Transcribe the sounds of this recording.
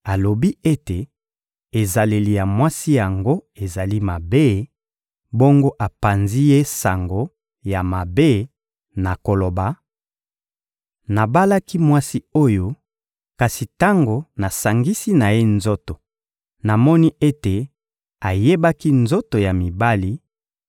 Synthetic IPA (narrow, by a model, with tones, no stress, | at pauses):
a˨lo˨bi˦e˦te˨ | e˨za˨le˨li˨ja˨mwa˦si˦ja˨ŋɡo˦e˨za˨li˦ma˨be˦ | bo˦ŋɡo˦ʔa˨pa˨nzi˦je˦sa˨ŋɡo˨ | ja˨ma˨be˦ | na˨ko˨lo˨ba˨ | na˨ba˦la˦ki˦mwa˦si˦o˦jo˦ | ka˨si˨ta˦ŋɡo˨na˨sa˨ŋɡi˦si˦na˨je˦nzo˦to˨ | na˨mɔ˦ni˦e˦te˨ | a˨je˦ba˦ki˦nzo˦to˨ja˨mi˨ba˦li˦